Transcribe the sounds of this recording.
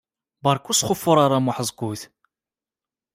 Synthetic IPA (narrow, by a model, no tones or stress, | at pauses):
bɑɾˤkːusχʊfːʊɾˤaɾˤamʊħəzˤɡuθ